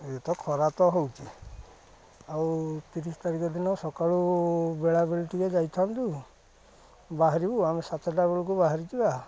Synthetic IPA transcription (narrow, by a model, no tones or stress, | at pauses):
et̪ɔkʰɔɾat̪ɔɦowt͡ʃʰi | awt̪iɾist̪aɾikɔd̪inɔsɔkaɭubeɭabeɭiʈibad͡ʒajt̪ʰant̪u | baɦaɾibuamesat̪ɔʈabeɭuk̬ubaɦaɾit̪iba